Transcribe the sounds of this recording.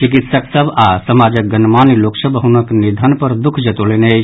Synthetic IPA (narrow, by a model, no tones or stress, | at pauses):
t͡ʃikit̪səksəbʱasəmad͡ʒək̚ɡənmaniloksəbʱɦunəknid̪ʱənpəɾd̪ukʰd͡ʒət̪olenət͡ʃʰ